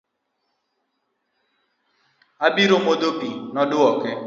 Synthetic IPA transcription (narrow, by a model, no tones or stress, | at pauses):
abiɾomod̪obinɔdʊɔkɪ